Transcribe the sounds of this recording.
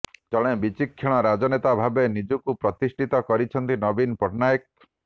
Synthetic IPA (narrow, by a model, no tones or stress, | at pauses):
d͡ʒɔɽ̃ẽbit͡ʃikʰːiɭ̃ɔɾad͡ʒɔnet̪abʱabenid͡ʒukupɾɔt̪isʈʰit̪ɔkɔɾit͡ʃʰɔnt̪inɔbinpɔʈnajk̚